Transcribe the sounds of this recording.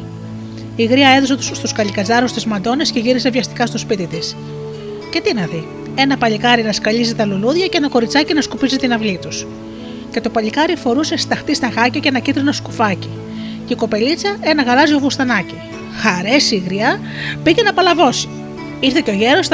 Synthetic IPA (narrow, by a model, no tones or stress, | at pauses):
iɣɾiɐe̞ðoset̪st̪uskɐʎikɐzɐɾust̪izmɐnd̪o̞ne̞sce̞ʝiɾise̞vʝɐst̪i̥kɐst̪o̞spit̪it̪is | ce̞t̪inɐði | e̞nɐpɐʎikɐɾinɐskɐʎizit̪ɐluluðʝɐceenɐko̞ɾit͡sɐcinɐskupizit̪inɐvlit̪us | ce̞t̪o̞pɐʎikɐɾifo̞ɾuse̞st̪ɐxt̪ist̪ɐɣɐcɐcenɐcit̪ɾinɐskufɐci | ceiko̞pe̞lit͡sɐe̞nɐɣɐlɐzio̞vust̪ɐnɐci | xɐɾe̞siɣɾiɐ | picenɐpɐlɐvo̞si̥ | iɾθeceo̞ʝe̞ɾo̞s